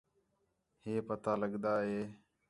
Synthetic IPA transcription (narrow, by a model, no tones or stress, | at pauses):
heːpət̪aːləɠd̪aːɦeː